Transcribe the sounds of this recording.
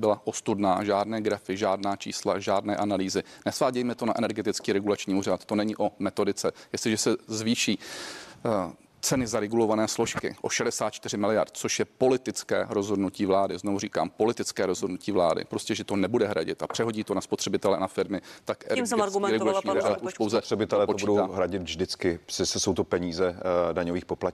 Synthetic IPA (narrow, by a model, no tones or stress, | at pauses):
bɪlaʔo̞st̪udnaːʒaːdnɛːɡɾafɪʒaːdnaːt͡ʃḭːsla̰ʒaːdnɛːʔanaliːzɪnɛsvaːɟɛjmɛt̪o̞naʔɛnɛɾɡɛt̪ɪt͡skiːɾɛɡulat͡ʃɲiːuːrat̪ːo̞nɛɲiʔo̞mɛt̪o̞dɪt͡sɛjɛstlɪʒɛsɛzviːʃiː | t͡sɛnɪzaɾɛɡulo̞vanɛːslo̞ʃkɪ̰ʔo̞ʃɛdɛsaːt̪̚t͡ʃt̪ɪrɪmɪlɪja̰rt̪̚t͡soʃjɛpo̞lɪt̪ɪt͡skɛ̰ːɾo̞zɦo̞dnuciːvlaːdɪznovuriːka̰ːmpo̞lɪt̪ɪt͡skɛːɾo̞zɦodnuciːvla̰ːdɪ̰pɾo̞scɛʒɛt̪o̞nɛbudɛɦɾa̰ɟɪ̰t̪ʔapr̥ɛɦo̞ɟiːt̪o̞naspo̞t̪r̥ɛbɪt̪ɛlɛʔanafɪɾmɪt̪akɡɾɛɡulaɲiaʔuʃpowzɛt̪r̥ɛbɪt̪ɛlɛtpot͡ʃudowaːɦɾaɟɪt̪vʒdɪt͡skɪsɪsɛso̞wt̪opɛɲiːzɛdaɲoviːxpopla